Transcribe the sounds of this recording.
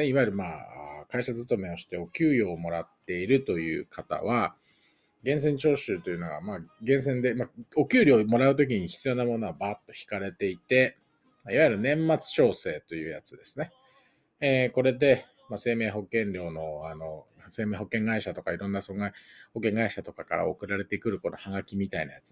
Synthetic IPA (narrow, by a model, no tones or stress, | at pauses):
neiβaiɾɯ̟maːakaiɕazzɨt̪o̞me̞o̞ɕi̥t̪e̞o̞kʲɨːɾʲjo̞ːmo̞ɾat̪ːe̞iɾɯ̟t̪o̞jɯ̟̰ːkʰat̪a̰βa | ɡẽ̞ɰ̃s̬ẽ̞ɲt͡ɕo̞ːɕɨːt̪o̞jɯ̟no̞ɡa̰maːɡẽ̞ɰ̃s̬ẽ̞nd̪e̞mao̞kʲɨːɾʲo̞ːmo̞ɾaɯ̟t̪o̞k̬ʲiɲ̟içi̥t͡sɨjo̞ːnamo̞no̞βabaːt̪ːo̞çʲi̥kaɾe̞t̪e̞it̪e̞ | maiβajiɯɾɯ̟nẽ̞mːat͡sɨ̥ɕo̞ːse̞ːt̪o̞jɯ̟ːjat͡sɨd̪e̞sɨneː | ko̞ɾe̞d̪e̞ | mase̞ːme̞ːɦo̞kẽ̞ɲɾʲo̞ːno̞ano̞ | se̞ːmeːɦo̞kːẽ̞ŋɡaiɕat̪o̞kaiɾõ̞nːasoɡaho̞kːẽ̞ŋɡaiɕat̪o̞kakaɾa̰okɯ̟ɾaɾe̞t̪e̞kɯ̟ɾɯ̟ko̞no̞̰haɡakʲimʲit̪aina̰jat͡sɨ̥